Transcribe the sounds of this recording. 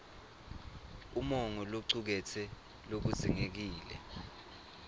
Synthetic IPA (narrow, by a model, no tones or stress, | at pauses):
umɔŋɔloǀuk̬ɛtʰɛ | lok̬uziŋek̬iːlɛ̰